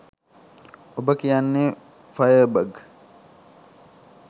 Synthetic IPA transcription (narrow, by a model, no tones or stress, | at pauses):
ʔʊbɐkɪjaːnːeː | fɐjəːbɐɡ